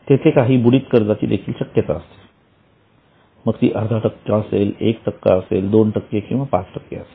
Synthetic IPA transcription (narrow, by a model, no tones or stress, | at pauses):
t̪et̪ʰekaɦiːbuɽiːt̪kəɾd͡zat͡ɕḭːd̪ekʰiːlɕəkjət̪aəst̪e̥ | məɡt̪ḭːʔəd̪ʱaʈəkːjãəselekʈəkːa̰əseld̪onʈəkːekĩw̃ʋapa̰t͡sʈəkːḛəse̥l